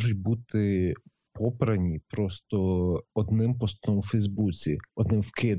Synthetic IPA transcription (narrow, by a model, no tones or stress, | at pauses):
ʒʊt̚ʲbut̪ɪ | pʰɔpɾɐnʲipɾɔst̪ɔɔd̪nɪmpɔst̪ɔmwfɛjzbut͡sʲiɔd̪nɪmwkɪd̪